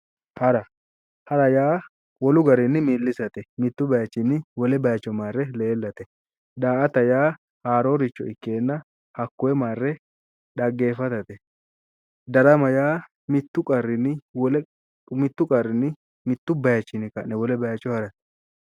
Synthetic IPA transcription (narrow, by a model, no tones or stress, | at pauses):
hɐɾɐ | hɐɾɐjaː | wɔlʊɡɐɾɪnɪmiːlːɪsɐt̪ɛmɪt̪ːʊbɐjɐt͡ʃːɪnːɪwɔlɛbɐjɐt͡ʃːɔmaːrːɛle̞ːlːɐt̪ɛ | d̪aːʔɐt̪ɐjaː | haːɾoːɾɪt͡ʃːɔɪkːe̞ːnːɐ | hɐkːʊɛmaːrːɛ | ɗɐɡːe̞ːfɐt̪ɐt̪ɛ | d̪ɐɾɐmɐjaː | mɪt̪ːʊkʼɐrːɪnɪwɔl | mɪt̪ːʊkʼɐrːɪnːɪ | mɪt̪ːʊbɐjɐt͡ʃːɪnɪkɐʔnɛwɔlɛbɐjɐt͡ʃːɔhɐɾɐt̪ɛ̥